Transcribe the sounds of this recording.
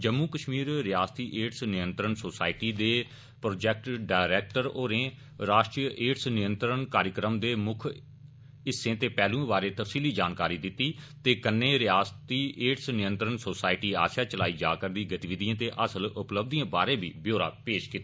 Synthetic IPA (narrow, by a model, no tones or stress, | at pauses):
d͡ʒəmːuːkəʃmiːɾɾɪjaːst̪iːʔeːʈsnɪjə̃nt̪ɾənsoːsaːɪʈiːd̪eː | pɾoːd͡ʒɛːk̚ʈɖaːɪɾɛːk̚ʈəɾoːɾẽː | ɾaːʃʈɾijəʔeːʈsnɪjənt̪ɾənkaːɾjəkɾəmd̪eːmʊkʰ | ɪsːẽːt̪eːpɛːlũːbaːɾeːt̪əfsiːliːd͡ʒaːnkaːɾiːd̪ɪt̪ːiːt̪eːkənːẽːɾɪjaːst̪iːeːʈsnɪjə̃nt̪ɾənsoːsaːɪʈiːa̰ːʃaːt͡ʃəlaːiːd͡ʒa̰ːkəɾd̪iːɡət̪iːʋɪd̪ijãːt̪eːʔəsəlʊpləb̚d̪ijãːbaːɾẽːbiːbjoːɾa̰ːpeːʃkiːt̪aː